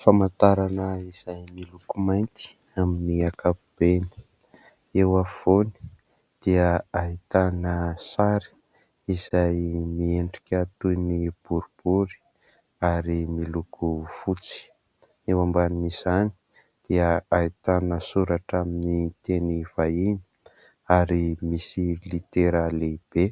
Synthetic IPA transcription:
famant̪aɾanəiz̥ajmilukumajnt̪i̥ | aminiakapub̥eni̥ | ewav̥oni̥ | d̪̥iəaɦit̪anəsaɾi̥ | iz̥ajmieɳɖ͡ʐikʲat̪unib̥uɾub̥uɾi̥ | aɾimilukufut͡si̥ | ewambaniniz̥ani̥ | d̪̥iəait̪anəsuɾaʈ͡ʂaminit̪eniv̥aini̥ | aɾimisilit̪eɾaleb̥e

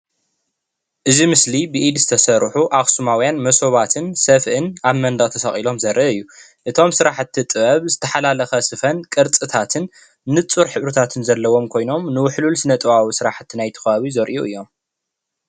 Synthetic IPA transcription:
ʔɨzimɨslibɨʔid̪zɨt̪ʰɐsɐɾħuʔaxsumawjanmɐso̞βat̪ʰɨnsɐfɨnaβmɐnd̪ɐɣʼt̪ʰɐsɐχʼilo̞mzɐɾʔɐʔɨjːu | ʔɨt̪ʰo̞msɨɾaħt̪ʰːit̪ʼɨβɐβzɨt̪ʰɐħalalɐxɐsɨfɐnkʼɨɾt͡sʼɨt̪ʰat̪ʰɨnː | ɨt͡sʼuɾħɨβɾɨt̪ʰat̪ʰɨnzɐlːɐwo̞mkʰo̞jno̞mnɨwʊħlulsɨnɐt̪ʼɨβawisɨɾaħt̪ʰːinajt̪ʰɐ̥xɐβaβizɐɾʔuʔɨjːo̞m

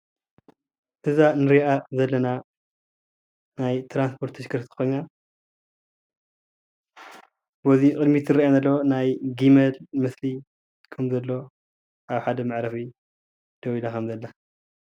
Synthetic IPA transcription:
ʔɨzanɨɾiʔazɐlːɐna | najt̪ɾanspʰo̞ɾt̪ʰːɨʃkɨɾt̪ʰɨ̥xojna | bozikʼɨd̪mit̪ʰɨɾianɐlːɐonajɡimɐlmɨsli | kʰɐmzɐlːo̞ | ʔaβħad̪ɐmaʕɾɐfi | d̪̥ɐwilakʰɐmzɐlːa

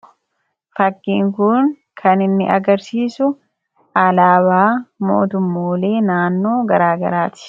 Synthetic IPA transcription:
fɐkːiːŋkʊŋ | kʰɐnɪnːɪ̰ʔɐɡɐɾsiːsʊ | ɐlaːβaːmo̞̰ːt̪ʊmːoːle̞ːnaːnːo̞ːɡɐɾaːɡɐ̰ɾaːt̪ɪ̥

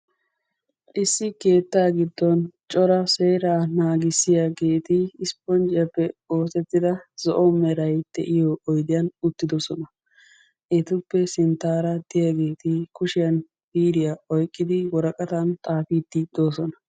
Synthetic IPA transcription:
ʔɪsːɪke̞ːt̪ːaːɡɪd̪ːɔnt͡ʃʼɔɾɐse̞ːɾaːnaːɡɪsːɪjaɡe̞ːt̪ɪːspɔnd͡ʒɪjɐpːɛoːsɛt̪ːɪd̪ɐz̥ɔʔɔmɛɾɐjd̪̥ɛʔɪjɔːjd̪ɪjɐnʊt̪ːɪd̪ɔsɔnɐ | ʔɛt̪ʊpːɛsɪnt̪ːaːɾɐd̪̥ɪjaɡe̞ːt̪ɪkʊʃɪjɐn | biːɾɪjaɔjkʼːɪd̪ɪwɔɾɐkʼɐt̪ɐnt̪ʼaːfiːd̪ːɪd̪̥o̞ːsɔnɐ̥

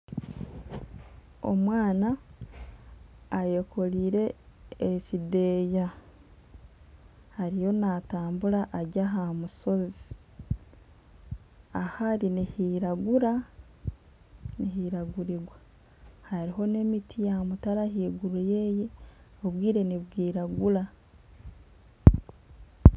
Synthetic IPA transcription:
o̞̰mwaːna | je̞kʰo̞liːɾe̞ː | cide̞ːja | haɾijo̞nataːmbuɾaʔːɟaɦamuso̞zi̥ | ahaɾinihiɾaɡuɾa | niɦiɾaɡuɾiɡwa | haɾiɦo̞ne̞mitijamutaɾaɦiːɡuɾuje̞ːjeoβwiːɾe̞niβwiːɾaɡuɾa

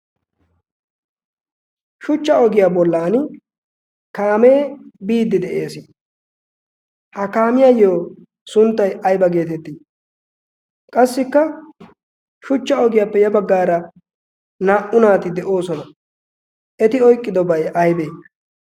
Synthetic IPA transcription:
ʃʊt͡ʃːɐɔɡɪjabɔlːaːn | kaːme̞ːbiːd̪ːɪd̪ɛʔeːsɪ | hɐkaːmɪjajoː | sʊnt̪ːɐjɐjbɐɡe̞ːt̪ɛt̪ːiː | kʼɐsːɪkːɐ | ʃʊt͡ʃːɐɔɡɪjaːpːɛjɐbɐɡːaːɾɐ | naːʔʊnaːt̪ɪd̪ɛʔo̞ːsɔnɐ | ʔɛt̪ɪɔjkʼːɪd̪ɔbɐjɐjbeː

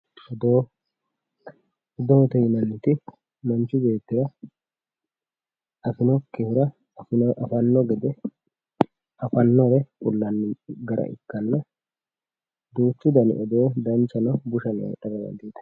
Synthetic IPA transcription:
ɔd̪oː | ɔd̪ɔmɔt̪ɔjɪnɐnːɪt̪ɪ | mɐnt͡ʃʊbe̞ːt̪ːɪɾɐ | ɐfɪnɔkːehɪɾɐ | ɪʔɐfɐnːɔɡɛd̪ɛ | ɐfɐnːɔɾɛfʊlːɐnːɪɡɐɾʔɐ̰ʔɪ̰kːɐnːɐ | d̪uːt͡ʃːʊd̪ɐnɪ̰ʔɔd̪oːd̪ɐnt͡ʃːɐnɔbʊʃɐnḛᶑɐrːɐmɐ̰nd̪iːt̪ɐ̥

